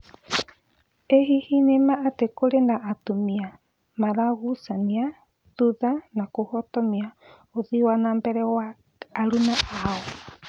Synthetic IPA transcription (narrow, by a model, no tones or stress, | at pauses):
eɦihinemaːtekoɾendaʔːtomia | maɾaɣusania | ðuðanakohɔtɔmia | oðiwanaːmbɛɾɛwaː | ɾunaʔaɔ